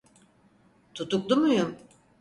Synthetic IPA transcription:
t̪ʰut̪uk̚d̪umujum

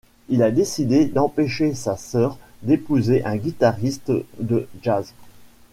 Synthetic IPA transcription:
ilad̪esid̪ed̪ɑ̃peʃesasœːʁd̪epuzeʔɛ̃ɡʲit̪aʁist̪d̪əʒaz

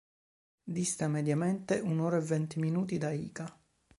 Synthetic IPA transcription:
d̪ist̪amed̪jamɛnt̪eʔunoːɾaɛvːɛnt̪iminuːt̪id̪aḭːka

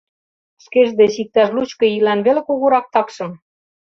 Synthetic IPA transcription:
ʃkeʒd̪eʃik̚t̪æʃlut͡ɕkɤ̆ilænβelĕkoɣoɾɑk̚t̪ɑkʃɤ̆m

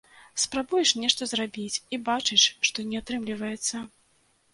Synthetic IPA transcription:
spɾabujɛʂnʲɛʂt̪ɔzrabʲit͡sʲibat͡ʂɨʂʂt̪ɔnʲɛat̪ɾɨmlʲivɐjɛt̪sːɐ

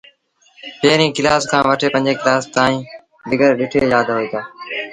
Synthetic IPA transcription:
peːɾĩːkɪlaːskʰãːʋəʈʰeːpə̃ɲd͡ʒeːkɪlaːst̪aːĩː | ɗ̪ɪɡəɾɗɪʈʰeːjaːd̪ɦoeːt̪aː

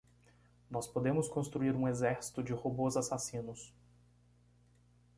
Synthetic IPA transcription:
nɔspod̪ẽmʊskõst̪ɾuiɾũezɛɾsi̥t̪ʊd͡ʒɪhobozasasĩnʊs

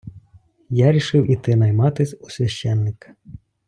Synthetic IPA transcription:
jaɾʲiʃɪwʔit̪ɪnɐjmɑt̪ɪsʲusʲʋʲɐʃɛnːɪkɐ̥

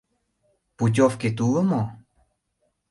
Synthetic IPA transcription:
put͡ʃofket̪uəmo

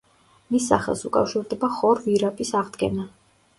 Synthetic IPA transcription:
misːa̰χɛ̰lˠsukʼa̰fʃiɾd̪ɛbaχɔɾviɾapʼisaʁd̪ɡɛna

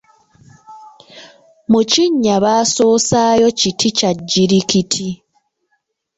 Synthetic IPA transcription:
muciɲːaβaːso̞ːsaːjo̞citʰicaɟːiɾikitʰi

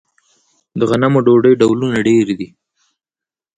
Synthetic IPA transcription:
d̪əɣanamoɖoɖəjɖawlunaɖeɾd̪i

